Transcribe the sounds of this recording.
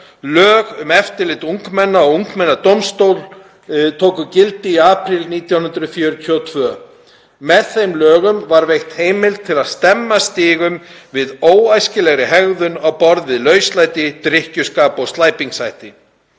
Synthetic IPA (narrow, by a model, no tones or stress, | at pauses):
lœːɣʏmɛft̪ɪɾlɪt̪uŋkmɛnːaɔuŋkmɛnːat̪owmst̪owl | t̪ʰoːkʏcɪlt̪ɪiaːpɾɪlniːt̪jawh̪ʏnd̪t̪ɾʏðfjœːɾt̪ʰːɔt̪ʰvœː | mɛðθejmlœːɣʏmvaɾvejxt̪heːjmɪlt̪t̪ʰːɪlaðst̪ɛmːast̪iːɣʏmvɪðoːwajscɪlɛɣɾɪɦɛɣðʏnawpɔɾðvɪðlœːɥst̪lajt̪ɪt̪ɾɪhcʏskaːpɔɣst̪laːjpiŋksajht̪ɪ